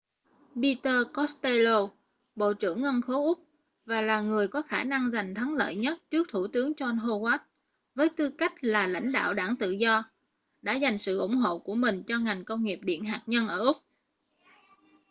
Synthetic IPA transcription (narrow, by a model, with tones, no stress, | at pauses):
ɓi˧t̪əː˧kɔ˦˥st̪e˧lo˧ | ɓo̰˧˨t͡ɕɨ̰˧˩əŋːə˧nxo˨˦ʔʊ˦˥k͡p̚ | vaː˨˩laː˨˩ŋɨ˨˩əjkɔ˨˦xaː˧˩na˧ŋza˨˩jŋ̟t̪ʰə˨˦ŋlə̰ː˧˨jɲə˦˥t̚t͡ɕɨ˦˥ək̚t̪ʰu˧˩t̪ɨ˨˦əŋt͡ɕɔ˧nɦo˧hwaː˦˥t̚ | vəː˨˦jt̪ɨ˧ka˦˥jk̟̚laː˨˩la̰˧˥jŋ̟ɗa̰ː˧˨wɗaː˧˩ŋt̪ɨ̰˧˨zɔ˧ | ɗa̰ː˧˥za˨˩jŋ̟sɨ̰˧˨ʔʊ̰˧˩ŋ͡mɦo̰˧˨ku˧˩əmï˨˩ŋ̟t͡ɕɔ˧ŋa˨˩jŋ̟kə˧wŋ͡mŋi˨˩əp̚ɗḭ˧˨ənɦaː˨˩k̚ɲə˧nʔəː˧˩ʔʊ˦˥k͡p̚